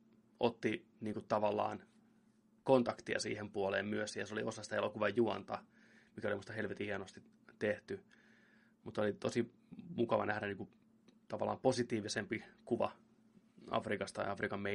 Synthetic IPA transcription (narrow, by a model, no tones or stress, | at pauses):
ot̪ːi | niːŋkutt̪ɑʋɑlːɑ̰ːn | kont̪ɑkt̪iɑ̰sḭːhempuolḛːmmyøsjjɑsoliosɑsit̪elokuʋɑjjuɑnt̪ɑ | mikæolimust̪ɑhelʋet̪ihienost̪i | t̪ːeht̪y | mut̪olit̪osi | mukɑʋɑ̰nʔæhdæniːŋku | t̪ɑʋɑlːˑɑ̰ːmposit̪iːʋisempikuʋɑ̰ | ɑ̰frikɑst̪ɑ̰jɑfrikɑmːe